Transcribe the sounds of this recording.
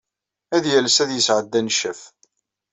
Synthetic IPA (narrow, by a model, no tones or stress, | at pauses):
æðjælsæðjəsʕəd̪ːænʃəf